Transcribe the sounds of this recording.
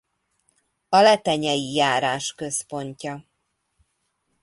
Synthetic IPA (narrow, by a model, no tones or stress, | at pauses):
ɒlɛt̪ɛɲɛjijaːɾaːʃkø̞spo̞ɲcɒ